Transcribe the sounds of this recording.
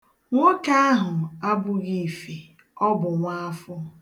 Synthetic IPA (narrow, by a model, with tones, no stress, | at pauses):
ŋʷo˦ka˦a˦ɦʊ˨a˦bʊ˨ɣi˨fi˨ | ɔ˦bʊ˨ŋʷa˦a˦fʊ˦